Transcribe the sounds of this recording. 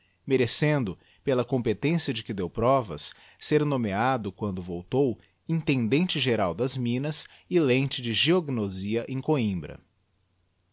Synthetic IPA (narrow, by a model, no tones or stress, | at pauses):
meɾesẽnd̪ʊ | pelɐkõpet̪ẽsijɐd͡ʒɪkɪd̪ewpɾɔvɐ̰sː | eɾnõmead̪ʊkwɐ̃nd̪ʊvowt̪ow | ĩnt̪ẽnd̪ẽnt͡ʃɪʒeɾawd̪ɐzmĩnɐs | ɪlẽnt͡ʃɪd͡ʒɪʒioɡnoziɐʔẽj̃koĩbɾɐ̰